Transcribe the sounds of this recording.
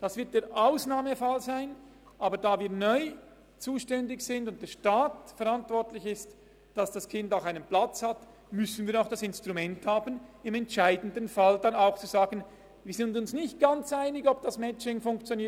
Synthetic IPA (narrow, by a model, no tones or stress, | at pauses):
d̥asvɪɐt̚d̥eːɐɾʔaʊsnaːməfalzaɪn | ʔaːbədaːviːɐnɔʏ | t͡suːʃtɛndɪçsɪndʊntd̥eːɐʃtaːtfɛʁantvɔʁtlɪçɪst | d̥asd̥askʰɪndaʊxaɪnənplat͡shat | mʏsən̩viːɐɾaʊxd̥asɪnstʁumɛnthaːbənɪmɛntʃaɪdən̩dənfaldanaʊxt͡suzaːɡən | viːɐzɪndʊnsnɪçt̚ɡ̥ant͡saɪnɪɡɔb̚d̥asmɛt͡ʃɪŋfʊŋkt͡sjoniː